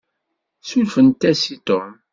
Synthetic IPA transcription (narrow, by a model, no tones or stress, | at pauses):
sulfənt̪ːæsit̪om